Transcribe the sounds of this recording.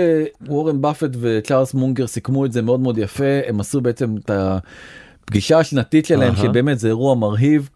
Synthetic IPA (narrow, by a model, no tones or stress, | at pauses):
ewoʁenbafetve̞t͡ʃaʁlsmuŋɡeʁsikmuetzemeo̞dmeod̪jafe̞emasube̞et͡se̞meta | pɡiʃaːʃnatitʃe̞laɦemʃebe̞ːme̞tzeːʁuamaʁɦiv